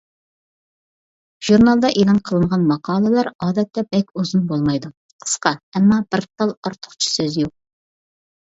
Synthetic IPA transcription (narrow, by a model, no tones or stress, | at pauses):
ʒ̥uɾnɑlˠd̪ɑʔelˠɑnqʰəlˠɨɴʁɑnmɑqʰɑːlˠɨlˠɑɾɑːd̪ɛt̪ːɛbɛkʲuzunbolˠmɑjd̪u | qʰə̥sqɑɛmːɑb̥ɪɾt̪ʰɑlˠɑɾt̪ʰʊ̥χt͡ʃʰi̥søzjoq̚